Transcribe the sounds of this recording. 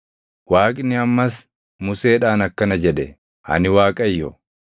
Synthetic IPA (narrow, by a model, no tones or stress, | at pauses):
waːkʼnɪɐmːɐs | mʊse̞ːᶑaːnɐkːɐnɐd͡ʒɛɗɛ | ɐ̰nɪwaːkʼɐjːɔ